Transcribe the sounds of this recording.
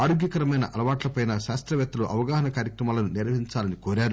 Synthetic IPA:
ɐɽuɡjɐkɐɾɐmɐjnɐʔɐlɐʋaːʈlɐpɐjnɐʃaːst̪ɾɐʋɛt̪ːɐluʔɐʋɐɡaːɦɐnɐkaːɾjɐkɾɐmaːlɐnuniɾʋɐɦiɲt͡ʃaːlɐnikoːɾaːɾu

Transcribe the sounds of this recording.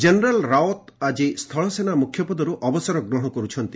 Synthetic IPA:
d͡ʒeneɾalɾaot̪ad͡ʒist̪ʰɔɭɔsenamukʰːjɔpɔd̪ɔɾuʔɔbɔsɔɾɔɡɾɔɦɽ̃ɔkɔɾut͡ʃʰɔnt̪i

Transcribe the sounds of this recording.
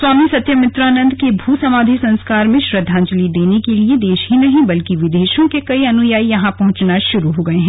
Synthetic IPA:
swaːmisɐt̪jəmɪt̪ɾaːnə̃nd̪ʱkebʱuːsɐmaːd̪ʱisɐ̃nskaːɾmẽʃɾɐd̪ʱːãːɲd͡ʒlid̪eːnekelied̪eːʃɦinɐɦĩbɐlkiʋɪd̪eːʃõkekɐiɐnʊjaːijɐɦãpɐɦʊ̃t͡ʃnaʃʊɾuɦoːɡɐeɦɛ̃ː

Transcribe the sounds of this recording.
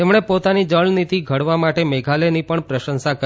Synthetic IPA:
emɳ̃epot̪anid͡ʒəɭnit̪iɡʱəɽʋamaʈemeɡʱalenipəɳpɾəʃənsakə

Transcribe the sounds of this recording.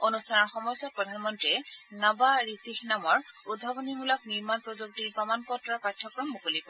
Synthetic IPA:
onustʰanɔɹxɔmɔjsɔpɹɔdʱanmɔntɹiɛnabaɹitixnamɔɹud̚bʱabɔnimulɔk̚niɹmanpɹɔzuk̚tiɹpɹɔmanpɔtɹapatʰːɔkɹɔmːukolipɔ

